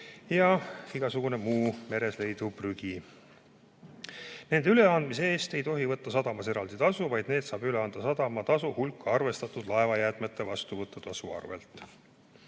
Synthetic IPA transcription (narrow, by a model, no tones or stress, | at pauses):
jɑiɡ̥ɑsuɡ̥une̞muːme̞ɾe̞sle̞jd̪̥upryɡ̥i | ne̞nd̪eyle̞ɑnd̪misee̞ːst̪e̞jt̪o̞ɦivɤt̪ːɑsɑd̪̥ɑmɑse̞ɾɑld̪it̪ɑsuvɑjd̪̥ne̞ːd̪̥sɑːb̥yleɑnd̪̥ɑsɑd̪̥ɑmɑt̪ɑsuhulkːɑrve̞st̪ɑt̪ːˑud̪̥lɑe̞vɑjæːt̪met̪ːˑevɑst̪uvɤt̪ːɑt̪ɑsuɑ̰rve̞̰lt̪ːˑ